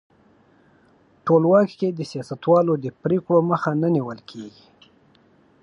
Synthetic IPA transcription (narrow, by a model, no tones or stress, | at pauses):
ʈolwɑkked̪əsijɑsat̪wɑlod̪əpɾekɽoməxananiwəlkʰeɡi